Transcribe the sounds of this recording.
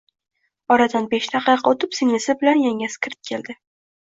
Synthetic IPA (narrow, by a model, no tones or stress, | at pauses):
ɒɾad̪anbeʃnaqʰɑjqʰɑot̪ʰɪpsɪŋnɪsɪbɪlanjaŋʲaskʰʲɪɾt̪̚kʲʰe̞ld̪ɪ